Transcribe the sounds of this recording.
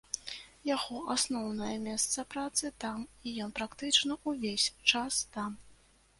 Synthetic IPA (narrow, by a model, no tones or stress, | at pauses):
jaɣɔʔasnɔwnɐjɐmʲɛst̪sɐpɾat̪sɨt̪amijɔnpɾakt̪ɨt͡ʂnɐuvʲesʲt͡ʂast̪am